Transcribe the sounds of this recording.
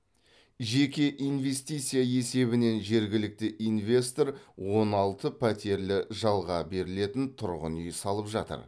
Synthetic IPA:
ʒe̞kʲe̞ʔijnve̞st̪ijt̪sɨjaje̞se̞βɪne̞nʒe̞ɾɡʲɪlɪk̚t̪ɪʔinvʲe̞st̪o̞ɾwo̞nɑlˠt̪əpʰæt̪e̞ɾlɪʒɑlˠʁɑbe̞ɾɪle̞t̪ɪnt̪ʰʊɾʁə̰nʏjsɑlˠəpʒɑ̰t̪ə̰ɾ

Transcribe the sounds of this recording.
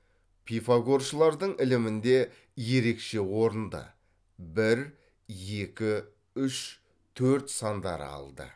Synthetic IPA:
pʰijfaɡo̞ɾʃəlˠɑɾd̪əɴɪlɪmɪnd̪e̞ | je̞ɾe̞kʃe̞wo̞ɾənd̪ə̰ | bɪɾ | je̞kʲɪ | ʏʃ | t̪ʰɵɾt̪sɑnd̪ɑ̰ɾ̰ɑ̰lˠd̪ə̰

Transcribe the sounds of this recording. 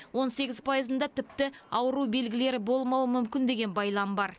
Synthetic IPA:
wo̞nse̞ɡʲɪzpʰɑjəzənd̪ɑt̪ʰɪp̚t̪ɪɑwəɾube̞lɡʲɪle̞ɾɪbo̞lˠmɑwəmʏmkʲɪnd̪e̞ɡʲe̞nbɑjlˠɑmbɑɾ

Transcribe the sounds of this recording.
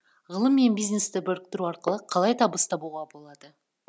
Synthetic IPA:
ʁəlˠəmːe̞nbijznest̪ɪbɵɾɪq̚t̪ɪɾuɑɾqəlˠəqʰɑlˠɑjt̪ʰɑbəst̪ɑbuʁɑbo̞lˠɑd̪ə

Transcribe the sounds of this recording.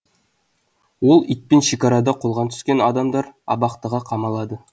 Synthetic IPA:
wo̞lˠijt̪̚penʃekʲɑɾɑd̪ɑqʰolˠʁɑnt̪ʰʏ̥skʲe̞nɑd̪ɑmd̪ɑɾɑ̰bɑqt̪əʁɑqʰɑmɑlˠɑd̪ə

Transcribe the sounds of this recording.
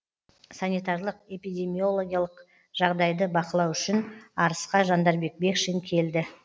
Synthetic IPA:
sanijt̪ɑrlˠəqe̞pijd̪ʲe̞mijo̞lˠo̞ɡʲijalˠəq | ʒ̥ɑʁd̪ɑjd̪əbɑqəlˠɑwʏʃɪnɑɾəsqɑʒɑnd̪ɑɾbe̞k̚be̞kʃeŋkʲʰe̞ld̪ɪ

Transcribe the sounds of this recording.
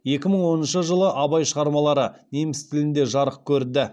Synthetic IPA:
je̞kʲɪməɴwo̞nənʃəʒəlˠəʔɑbɑjʃəʁɑɾmɑlˠɑɾəne̞mɪst̪ʰɪlɪnd̪e̞ʒɑɾəq̚kʲʰɵɾd̪ɪ

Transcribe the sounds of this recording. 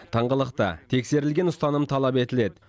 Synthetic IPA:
t̪ʰɑɴʁəlˠəqt̪ə̰t̪ʰe̞kse̞ɾɪlɡʲe̞nʊst̪ɑnəmt̪ʰɑlˠɑpe̞t̪ɪle̞d̪ɪ

